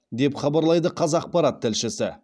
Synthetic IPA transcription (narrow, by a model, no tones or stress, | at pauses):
d̪e̞pχɑbɑɾlˠɑjd̪əqʰɑzɑːq̚pɑɾat̪ʰːɪlʃɪsɪ